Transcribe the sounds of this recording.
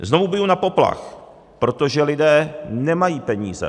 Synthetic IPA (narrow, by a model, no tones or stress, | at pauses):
zno̞vubɪjunapo̞pla̰x | pɾo̞t̪oʒɛlɪdɛːnɛmajiːpɛɲḭːzɛ̰